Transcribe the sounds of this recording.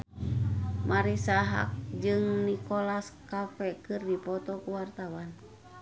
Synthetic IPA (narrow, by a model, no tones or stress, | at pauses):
maɾisaɦa̰k̚d͡ʒɨŋnikolaskafɛkɨrdipɔt̪ɔkuwart̪awan